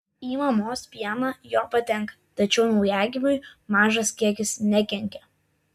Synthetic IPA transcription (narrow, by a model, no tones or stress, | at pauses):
iːmɐmoːspʲiɛnɐjoːpɐt̪ʲɛŋˑk | t̪ɐt͡ʃʲɛʊnɒʊjæːɡʲɪmʲʊɪmɑːʒɐskʲiɛkʲɪsnʲɛkʲɛŋʲkʲɛ